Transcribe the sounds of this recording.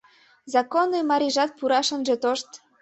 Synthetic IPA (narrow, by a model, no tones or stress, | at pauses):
zɑkonemɑɾʲiʒɑt̪̚puɾɑʃə̆nʒĕt̪oʃt̪